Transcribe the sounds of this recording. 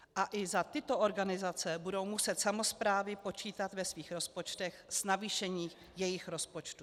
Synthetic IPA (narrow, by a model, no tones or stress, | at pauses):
ʔaʔɪzat̪ɪt̪o̞ʔoɾɡanɪzat͡sɛbudowmusɛt̪samo̞spɾaːvɪpo̞t͡ʃiːt̪at̪vɛsviːxɾo̞spo̞t͡ʃt̪ɛxz̥naviːʃɛɲiː | jɛjɪxɾo̞spo̞t͡ʃt̪u